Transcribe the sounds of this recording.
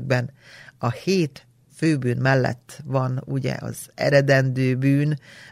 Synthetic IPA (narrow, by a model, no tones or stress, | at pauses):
ɡ̚bɛnɒheːt̪ | føːbyːnmɛlːɛ̰t̪ːʋɒnuɟɛ̰ɒ̰zɛ̰ɾɛd̪ɛnd̪øːbyːn